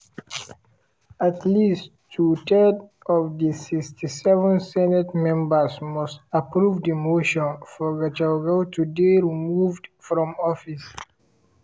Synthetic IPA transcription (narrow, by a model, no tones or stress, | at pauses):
atʰlistʰːutʰɛd | ɔvdisikstʰisɛvə̃nsɛnɛtmɛ̃mbəsmɔstapɹuvdimoʃɔ̃nfɔɡat͡ʃaɡaʊtʰudeɹimuvdfɹɔ̃mɔfis